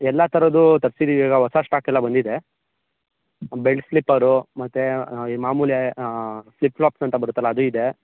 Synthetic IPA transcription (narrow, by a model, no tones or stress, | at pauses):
ɛlːɐt̪ʰɐɾɐd̪ut̪ɐɾsid̪iʋiːɡɐɦɔsaʂʈaːkɛlːɐbɐnd̪id̪e | beɭɖsflipːɐɾumɐt̪ːemaːmuːlje | slipːɭaːpsɐnt̪ɐbɐɾut̪ːɐlːɐːd̪uid̪e